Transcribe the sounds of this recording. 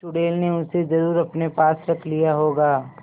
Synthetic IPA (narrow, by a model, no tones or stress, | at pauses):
ʈʊɽeːlneʊsezɐɾuːɾɐpnepaːsɾɐkʰlijaɦoːɡaː